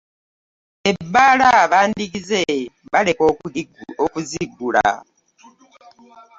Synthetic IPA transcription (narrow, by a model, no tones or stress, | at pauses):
e̞bːaːlaβaːndikize̞βale̞kookuziɡːula̰